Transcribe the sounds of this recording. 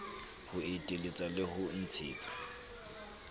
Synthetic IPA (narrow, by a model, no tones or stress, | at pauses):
hʊetʼelet͡sʼalɪhʊn̩t͡sʰɪ̰ːt͡sʼḁ